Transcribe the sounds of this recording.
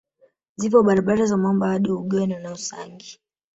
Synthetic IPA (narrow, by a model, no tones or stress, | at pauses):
zivɔɓaɾaɓaɾazamambɔhaɗiuɡɔnɛnausa̰ŋɡi